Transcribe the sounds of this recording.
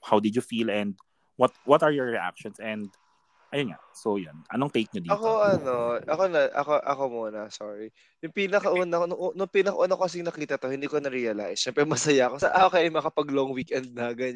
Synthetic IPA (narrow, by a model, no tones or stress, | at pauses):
hawd̪ɪdʊfilɛ̃nd̪̚ | wɔt̪̚wɔt̪ɐɹjɔɹɹiʔa̰k̚ʃɔnsɛ̃nd̪ | ʔɐjonŋa̰ | sojonʔɐ̰noɐŋt̪ejk̚ɲɐd̪iɐkoʔɐno̞ʔɐko̞nɐʔɐ̰koʔɐ̰ko̞muːnɐsoɹi | jʊŋpinɐkɐʔuːnɐknʊŋʔnʊŋpinɐkɐʔːnakokɐs̬ɪŋnɐkiːt̪ɐt̪o̞hɪnd̪iːkonɐɾiɐla̰jsʃɛmpɾɛmɐsɐjakosɐʔakɐjɐjmɐkɐpɐɡloŋwiːkʔɛnd̪̚nɐɡɐɲ